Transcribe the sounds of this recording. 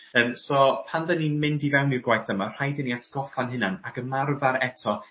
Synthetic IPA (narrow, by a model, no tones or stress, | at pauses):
əːmsɔpʰanðəninmɪndivɛwnirɡwajθəmar̥ajdɪniatʰɡ̥ɔfanɦɪnanakəmarvaɾɛtʰɔ